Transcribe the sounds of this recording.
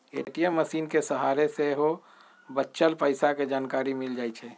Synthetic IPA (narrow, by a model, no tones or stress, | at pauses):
ḛʈijəmːəsiːnkesəɦaɾeseɦo | bətːʃəlpəɪsaked͡ʒankaɾimild͡ʒajt͡ʃʰɛ